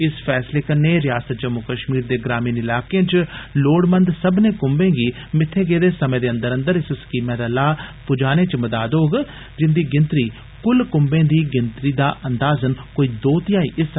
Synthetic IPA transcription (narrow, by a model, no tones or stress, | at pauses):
ɪspʰɛːsleːkəɾneːɾɪjaːsət̪̚d͡ʒəmːʊkəʃmiːɾd̪eːɡɾaːmiːnɪlaːkeãːt͡ʃloːɽmənd̪səbnẽːkʊmbẽːɡiː | mɪt̪ʰːeːɡeːd̪eːsəmẽːd̪eːənd̪əɾə̃nd̪əɾɪsskiːmẽːd̪aːlaːpʊd͡ʒaːnẽːt͡ʃməd̪aːd̪oːɡ | d͡ʒɪnd̪iːɡɪnt̪ɾiː | kʊlkʊmbẽːd̪iːɡɪnt̪ɾiːd̪aːʔənd̪aːzənkoːiːd̪oːt̪ɪjãːḭːʔɪs